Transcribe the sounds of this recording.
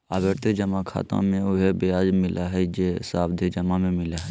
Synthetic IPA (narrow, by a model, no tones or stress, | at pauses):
əbeɾt̪ed͡ʒəmakʰa̰ːt̪ã̰mẽʊɦebeaːd͡ʒmɪlʔaɦɛd͡ʒesaːbd̪ʱed͡ʒɐmamẽmɪlaɦɛ